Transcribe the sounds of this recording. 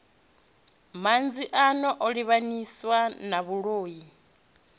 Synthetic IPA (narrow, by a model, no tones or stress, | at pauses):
mand͡ziʔanɔʔɔɺiβaniswanaβuɺoːji